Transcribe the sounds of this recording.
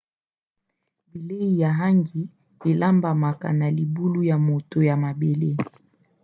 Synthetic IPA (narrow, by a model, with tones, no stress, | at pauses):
bi˨le˦i˨ja˨ɦa˦ŋɡi˨ | e˨la˦mba˨ma˨ka̰˨na˨li˨bu˦lu˦ja˨mo˨to˨ja˨ma˨be˨le˦